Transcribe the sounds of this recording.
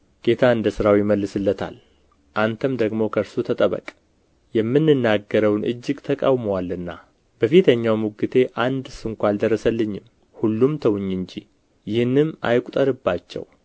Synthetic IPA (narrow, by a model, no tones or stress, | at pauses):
ɡ̥e̞t̪ʰaɨnd̪əsɨɾawjɪməlːɨsɨlːət̪ʰa̰l | ʔant̪ʰəmd̪əɡmo̞kʰəɾsut̪ʰət̪ʼəβə̰kʼ | jɛmːɨnːɨnːaɡːəɾəwnʔɨ̰d͡ʒːɪɡt̪ʰəkʼa̰wməwalɨnːa̰ | b̥əfit̪ʰəɲːawmuɡɨt̪ʰe̞ʔand̪sɨŋkʷald̪ərːəsəlːɨɲːɪm | hulːumt̪ʰəwɲːɨɲd͡ʒi | jɪhnːɨma̰jkʼut̪ʼəɾɨbːat͡ʃːɛ̰w